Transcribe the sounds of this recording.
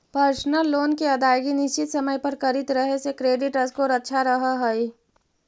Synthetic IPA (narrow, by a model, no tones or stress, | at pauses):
pəɾsnəlːoːnkeɐd̪aːjɡinɪʃt͡ʃɪt̪səməjpəɾkəɾɪt̪ɾəɦesekɾeːɖɪʈəskoɾətːʃʰaɾəɦəɦəi